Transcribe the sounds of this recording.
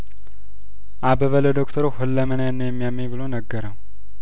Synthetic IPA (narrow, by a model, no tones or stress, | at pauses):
ʔabəβələd̪okt̪ʰəɾohɨlːəmənanːəjɛmːijamːeβɨlonəɡːəɾəw